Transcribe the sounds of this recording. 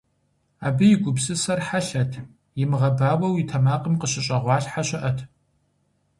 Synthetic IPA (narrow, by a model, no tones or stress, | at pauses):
aːbɨjɪɡʷʊbsɨsɐrħaɬɐtʰ | jɪmɨʁɐbaːwɐwitʰɐmaːqʼəmqəɕɪɕʼɐʁʷɑːɬħaɕʼɪʔɐtʰ